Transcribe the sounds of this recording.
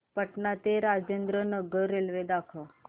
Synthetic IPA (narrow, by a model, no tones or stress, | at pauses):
pəʈnat̪eɾad͡ʒend̪ɾənəɡəɾelʋed̪akʰə